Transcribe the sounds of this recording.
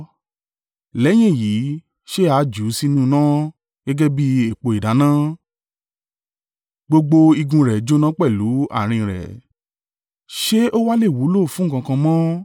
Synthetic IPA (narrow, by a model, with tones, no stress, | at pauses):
lɛ˨˦j̃ĩ˦˨jiː˨˦ | ʃe˦a˨˦d͡ʒu˨˦si˦nũ˦˨˧nã˦ | ɡ̥ɛ˦ɡɛ˦bi˦e˨k͡po˧i˨da˨˦nã˦ | ɡ͡bo˧ɡ͡bo˧i˧ɡũ˧ɾɛ˨d͡ʒo˦nã˦k͡pɛ˦˨lu˨˦a̰˦˨ɾ̃ĩ˧˨ɾɛ̰˨ | ʃe˦ʔo˦wa˦le˦˨wu˨˦lo˦˨fũ˨˦˨kã˧kã˧mɔ̃˦